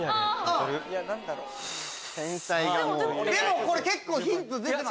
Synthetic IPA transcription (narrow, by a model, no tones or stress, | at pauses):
aɾɯjanãnd̪aɾo | sẽnsaiɡaod̪e̞mo̞ko̞ɾeke̞kːoːçĩnt͡sɨzẽd̪e